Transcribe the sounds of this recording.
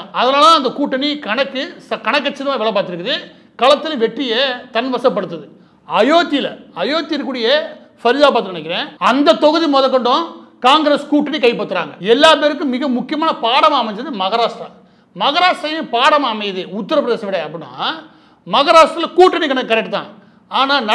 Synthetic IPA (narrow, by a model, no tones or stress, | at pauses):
ɐðɐnaːlɐ̃ːɐnd̪ɐkuːʈːɐnikɐɳɐkːɯsɐkɐɳɐk̬ːɐt͡ʃːɐɾɐmaːʋɛɭɐpːaːɾt̪ːɪɾɯkːɯðɯ | kɐɭɐt̪ːɯlɐʋɛʈːɪjɐt̪ɐnʋɐsɐp̬ːɐɽɯt̪̬ːɐðɯ | ɐjoːt̪ːilɐ̰ɐjoːt̪ːɪɾkːuːɽɪjɐ | fɐɾɪðaːp̬aːɾt̪ɯkːnɐɳɐkːɪɾẽːɐnd̪ɐt̪ɔɣɐðimɔðɐkːɔɳɖõkaːŋɡɾeskuːʈːɐnikɐɪpɐɽɯt̪ːɯɾa̰ːŋɡɐɛlːaːpeːɾɯk̬ːɯ̃mɪɣɐmʊkːɪjɐmaːnɐpaːɽɐmaːmɐɲd͡ʒɐðɯmɐɣɐɾaːsʈɾɐ | mɐɣɐɾaːsʈɾɐjɪ̃paːɽɐmaːmɐɪðɯʊt̪ːɐɾɐpɾɐðeːsɐʋɪɽɐɐpːɐɽɪnːa̰ː | mɐɣɐɾaːsʈɾɐlɐkuːʈːɐnikɐnɐkːɯkːɐɾɛk̚ʈːɯt̪ã̰ː | aːnaːnɐ